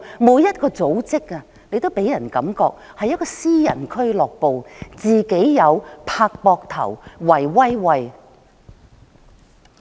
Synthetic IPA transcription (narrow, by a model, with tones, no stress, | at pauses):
muː˨˧jɐ˥t̚kɔː˧t͡so˨˥wt͡sɪ˥k̚ɐ˧ | ne˧jt̪o˥wpe˨˥jɐ˨˩nkɐ˨˥mkɔː˧k̚ | hɐ˨jːɐ˥t̚kɔː˧siː˥jɐ̰˨˩nkʰɵ˥ɥlɔː˨˩k̚po˨wt͡siː˨˩ke˨˥jːɐ˨˧wpʰaː˧k̚pɔː˧k̚t̪ʰɐ̰˨˩wwɐ˨˩jwɐ˥jwɐ˧j